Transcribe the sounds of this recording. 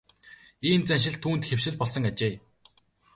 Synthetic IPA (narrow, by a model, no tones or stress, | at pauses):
iːnt͡sænʃ̬ɪ̆ɮt̪ʰːuːnt̪xew̥ʃɪ̆ɮpɔɮsɞ̆ŋat͡ɕeː